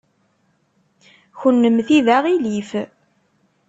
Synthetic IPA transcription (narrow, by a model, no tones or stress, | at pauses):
çənːəmθiðæʁilif